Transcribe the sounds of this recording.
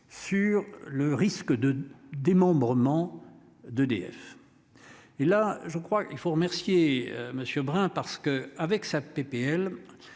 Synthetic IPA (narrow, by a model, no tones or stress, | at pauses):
syʁləʁiskəd̪əd̪emɑ̃bʁəmɑ̃ | d̪əd̪ḛɛ̰f | elaʒəkχwailfoʁəmɛʁsjḛməsjøbʁɛ̃paʁsə̥kəavɛksapepeɛl